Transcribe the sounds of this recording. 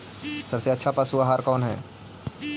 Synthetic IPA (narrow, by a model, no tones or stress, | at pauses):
səbseɐtːʃʰapəsuaɦaːɾkɔːnɦɛ̰ː